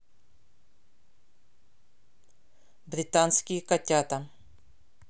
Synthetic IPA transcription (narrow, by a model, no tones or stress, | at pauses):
bɾit̪aːnskikɐt̪ʲjaːt̪a